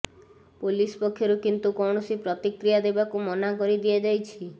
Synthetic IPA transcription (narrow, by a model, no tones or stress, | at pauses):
polispɔkʰːjɔɾukint̪ukɔwɳ̃ɔsipɾɔt̪ikɾijad̪ebakumɔnakɔɾid̪iad͡ʒajt͡ʃʰi